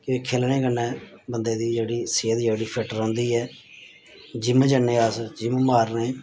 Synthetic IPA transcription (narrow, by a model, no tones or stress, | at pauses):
kõːiːkʰeːlneːkənːɛ̃ːbənd̪eːd̪iːd͡ʒeːɽiːseːd̪d͡ʒoːɽiːpʰɪʈəɾõːnd̪iːɛː | d͡ʒɪmd͡ʒənːẽːəsd͡ʒɪmmaːɾneː